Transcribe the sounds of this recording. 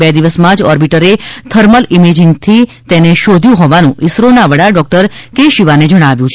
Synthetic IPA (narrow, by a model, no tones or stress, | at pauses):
bɛd̪iʋəsmãd͡ʒɔɾbiʈəɾet̪ʰəɾməlimed͡ʒɪŋɡt̪ʰi | t̪eneʃod̪ʱjũɦɔʋanũʔɪsɾonaʋəɽaɖɔk̚ʈəɾkeʃiʋaned͡ʒəɽ̃aʋjũt͡ʃʰ